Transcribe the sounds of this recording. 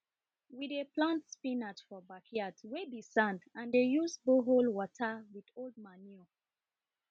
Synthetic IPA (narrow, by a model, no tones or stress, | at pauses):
wideplãntspĩnatfɔbakʰiatwebisãndãndejuzboɦolwɔtʰəwidold̚maniɔ